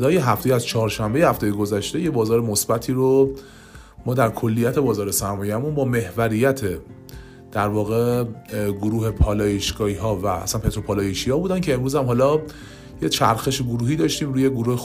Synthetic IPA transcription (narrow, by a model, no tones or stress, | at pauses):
d̪ɒːjeɦæfte̞jæzt͡ʃʰɒːɾʃæmbejehæft̪ejeɡozæʃt̪e̞jebɒːzɒːɾemosbæt̪ʰiːɾo | mɒːd̪æɾkʰo̞lːijæt̪ʰe̞bɒːzɒːɾe̞sæɾmɒːjeæmunbɒːme̞hvæɾijæt̪ʰe̞ | d̪̥æɾvɒːɣe̞ | ɡoɾuːɦe̞pʰɒːlɒːjeʃɡɒːiɦɒːvææ̰sænpʰe̞t̪ʰɾo̞pʰɒːlɒːjeʃihɒːbuːd̪æncʰe̞ːmɾuːzæmhɦɒːlɒː | je̞t͡ʃʰæ̰ɾxe̞ʃeɡoɾuːhiːd̪ɒːʃt̪iːmɾuːje̞ɡoɾuːhe